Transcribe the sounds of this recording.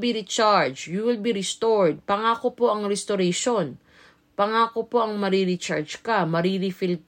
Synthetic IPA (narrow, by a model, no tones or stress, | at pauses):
biɾit͡ʃaɹd͡ʒjuwɪlbiɾɛst̪oɹd̪̚pɐŋaːko̞po̞ʔɐŋɾɛst̪oɾɛjʃon | pɐŋaːkopo̞ʔɐŋmɐɾiɾit͡ʃaɹd͡ʒkamɐɾiɾifɪl